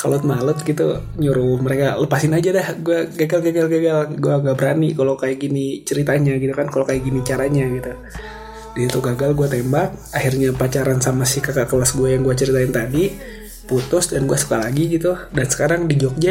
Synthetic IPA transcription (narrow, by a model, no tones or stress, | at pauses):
kalʊt̪̚malʊt̪̚ɡit̪ṵɲuɾuməɾekaləpasɪnad͡ʒadahɡuaɡaɡalɡaɡalɡaɡalɡuaŋɡaʔbəɾanikalokajaɡinit͡ʃəɾit̪aɲaɡit̪ukankalokajaɡinit͡ʃaɾaɲaɡit̪u | diit̪uɡaɡalɡuat̪embak̚ahirɲapat͡ʃaɾansamasihkakakəlasɡuajaŋɡuat͡ʃəɾit̪aɪnt̪adi | put̪ʊsdanɡuasə̥kalaɡiɡit̪udansə̥kaɾaŋdid͡ʒɔk̚d͡ʒa